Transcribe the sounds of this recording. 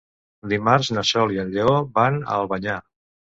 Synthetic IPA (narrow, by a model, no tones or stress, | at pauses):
d̪imaɾznəʃɔliənʎeoβanə̰lˠβəɲa